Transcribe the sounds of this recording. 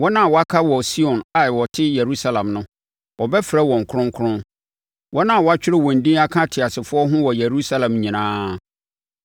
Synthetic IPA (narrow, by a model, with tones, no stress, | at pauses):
wɔ˦nã˦a˨wɔ˨˦a˦kʰa˦wɔ˨si˦ɔ̃˨na˨wɔ˨tʰɪ˦je˨ɾu˦sa˦lã˨mnʊ̃˦ | wɔ˨bɛ˦fɪ˨ɾɛ˦wɔ̃˨ŋ˨kʰʊ˦ɾʊ̃˦ŋ˦kʰɾʊ̃˦n | wʔɔ˦nã˦a˨wɔ˨˦a˦t͡ɕᶣɪ˦ɾɪ˦wɔ̃˨n̩˨dĩ˦a˦kʰã˦tʰɪ˨a˨sɪ˨fʊ˦ɔ˦ɦʊ̃˦wɔ˨je˨ɾu˦sa˦lã˨mɲĩ˨nãː˦